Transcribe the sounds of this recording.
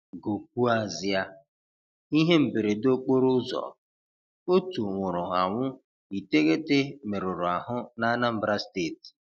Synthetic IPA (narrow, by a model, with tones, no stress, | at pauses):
ɡo˨k̚ʷu˦a˨zɪ˦a˦ | i˦ɦe˦m̩˨be˨ɾe˨do˦k͡po˦ɾʊ˦zɔ̰˨ | o˦tu˨ŋʷʊ˨ɾʊ˨ɦa˨ŋʷʊ˦ | i˨te˦ɣe˦te˦me˨ɾʊ˨ɾʊ˨a˨ɦʊ˦na˦na˦m̩˦bɾa˦ste˦˨t